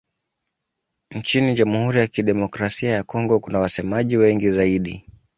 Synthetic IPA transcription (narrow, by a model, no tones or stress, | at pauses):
nt͡ʃiniʄamuhuɾijakiɗɛmɔkɾasiajakɔŋɡɔkunawasɛmaʄiwɛŋɡizaiɗḭ